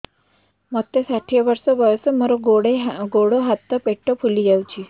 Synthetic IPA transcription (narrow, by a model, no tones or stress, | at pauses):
məɡ̚t̪esaʈʰijaʋəɾsəʋəjsəməɾoɡoɽeɡoɽoɦat̪ːəpeʈːəfulid͡ʑawt͡ɕiː